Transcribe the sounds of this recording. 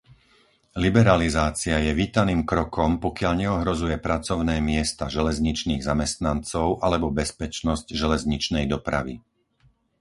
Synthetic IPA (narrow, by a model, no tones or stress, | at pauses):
libɛɾalizaːt͡siajɛʋiːt̪aniːmkɾɔkɔmpɔkɪaʎɲɛɔɦɾɔzujɛpɾat͡sɔʊnɛːmɪɛst̪aʒɛlɛzɲit͡ʃniːɣzamɛst̪nant͡sɔʊʔalɛbɔbɛspɛt͡ʃnɔscʒɛlɛzɲit͡ʃnɛjd̪ɔpɾa̰ʋḭ